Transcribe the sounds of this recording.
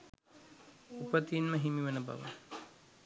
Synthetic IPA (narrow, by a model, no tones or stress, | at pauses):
upət̪iːnməɦimiʋənəba̰ʋə̰